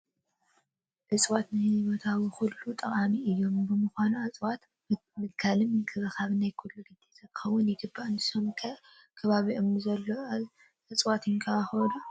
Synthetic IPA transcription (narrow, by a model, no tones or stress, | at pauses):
ʔɨt͡sʼwat̪nɨhɨzβo̞t̪ʰawixulːut̪ʼɐkʼamiɨjːo̞mbɨmɨxʷanuat͡sʼwat̪ | mɨt̪kʰalɨmɨkʰʼɨβɐkʰaβnajkʰulːuɡɨd̪ːizɐkʼɨ̥xɐwːʊnjɪɡɨbːaʔɨnt̪ʰɨ̥somkʰɐ | kʰɐβaβiʔɨmuzɐlːo | ʔɨt͡sʼwat̪ɨŋkʰɐaxlu